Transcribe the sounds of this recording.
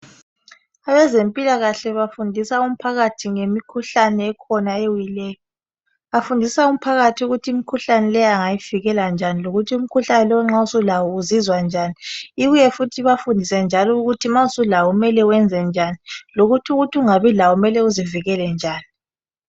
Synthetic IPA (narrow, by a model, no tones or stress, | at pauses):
aβɛzempʼilaɣaɬɛβafundʱisaum̩pʰaɣatʰiŋemikʰuɬanɛːkʰɔnaewilɛːjɔ | afundʱisaum̩pʰaɣatʰiuɣutʰiimikʰuɬanɛlɛjaŋajiviɣɛland͡ʒʱaniloɣutʰium̩kʰuɬanɛlɔwɛŋ͡ǁausulawɔuzizwand͡ʒʱaniiɣujɛfutʰiβafundʱisɛnd͡ʒʱalɔuɣutʰimausulawɔumɛlɛuwɛnd͡zʱɛnd͡ʒʱaniloɣutʰuɣutʰiuŋaβilawɔumɛlɛuziviɣɛlɛnd͡ʒʱaːni